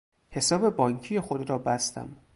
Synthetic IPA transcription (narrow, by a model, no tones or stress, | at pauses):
he̞sɒːbe̞bɒːŋcʰije̞xod̪ɾɒːbæst̪æ̰m